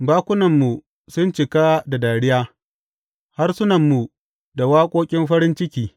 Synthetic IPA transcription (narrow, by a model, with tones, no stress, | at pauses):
baː˦kʷʊ˦nɐ˨mːu˨ | sʊ˦nt͡ʃɪ˨ka˦da˨daː˨ɽɪ˦jaː˦ | ha˦rsʊ˦nɐ˨mːu˨ | da˨waː˦kʷʼoː˦kʲʼɪ˦mɸɐ˦ɾɪ˦nt͡ʃɪ˦kʲiː˨